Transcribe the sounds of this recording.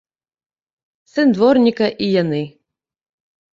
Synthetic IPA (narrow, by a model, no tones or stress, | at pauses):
sɨnd̪vɔrnʲikɐʔijanɨ